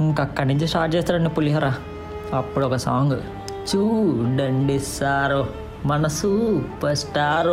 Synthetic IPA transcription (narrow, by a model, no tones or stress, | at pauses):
iŋkɐkːɐɾnuɲt͡ʃisʈaːɾʈ̚t͡ʃɛːst̪aːɾɐɳipulijaːɾaː | ɐpːuɽɔkɐsaːŋɡ | t͡ʃuːɳɖɐɳɖisaːɾo | mɐnɐsuːpɐɾsʈaːɾ